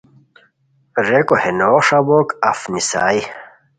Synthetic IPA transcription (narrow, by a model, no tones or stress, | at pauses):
ɾekohenoːʂɐbokɐfnisa̰ːj